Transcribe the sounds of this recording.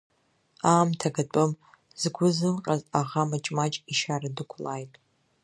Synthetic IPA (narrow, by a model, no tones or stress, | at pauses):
aːmtʰaɡat͡pʷʼɨm | z̥ɡʷʊzɨlqʼazaʁamat͡ʃʼmat͡ʃʼiʃaradɨkʷʰlaːjtʼ